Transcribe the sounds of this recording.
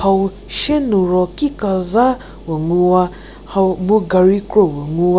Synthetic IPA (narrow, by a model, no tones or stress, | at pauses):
hau | ʃenuɾɔkikaza | weŋuwa | hmuɡaɾikɾɔweŋuwa